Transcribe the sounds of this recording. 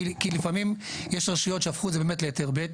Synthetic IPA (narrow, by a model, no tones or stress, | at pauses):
kilifamim | jeʃʁaʃijotʃeafχuzebeːmetlejateʁbet